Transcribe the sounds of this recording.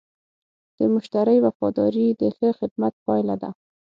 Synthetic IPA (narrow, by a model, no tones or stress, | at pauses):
d̪̥əmʊʃt̪aɾəjwafɑd̪ɑɾid̪əɬəxɪd̪mat̪̚pɑjlad̪a̰